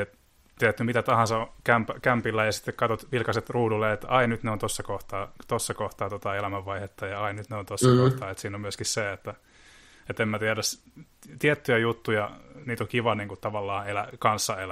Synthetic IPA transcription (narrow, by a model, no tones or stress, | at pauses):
et̪ | t̪iɛɾæt̪ːymit̪æt̪ɑhɑnsɑokæmpækæmpilːæjɑsi̥t̪ːekkɑt̪ot̪ʋilkɑset̪ruːdulːeet̪ɑinyt̪neont̪osːɑkoht̪ɑːt̪osːɑkoht̪ɑːt̪ot̪ɑelæmæʋːɑihet̪ːɑjɑɑinnyt̪neont̪osːoht̪ɑːet̪siːnommyøskisseet̪ːæ | et̪emːæt̪iæɾæs | t̪iɛt̪ːyjæjut̪ːujɑniːt̪okiʋɑniːŋkut̪t̪ɑʋɑlːɑːelækɑnsːɑelæ